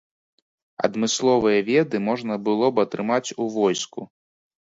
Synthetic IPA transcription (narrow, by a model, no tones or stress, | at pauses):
ɐ̰d̪mɨslˠɔvɨjɐvʲɛd̪ɨmɔʐnɐbɨlˠɔbɐt̪ɾɨmat͡sʲuvɔjsku